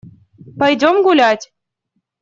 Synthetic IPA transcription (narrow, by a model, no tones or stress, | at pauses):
pɑjdʲomɡulʲɑtʲ